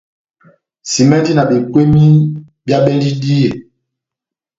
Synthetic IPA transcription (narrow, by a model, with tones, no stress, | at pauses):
si˨mɛ˦ndi˦na˨be˨kwe˦mi˦ | bja˦ɓɛ˦ndi˦di˦je˨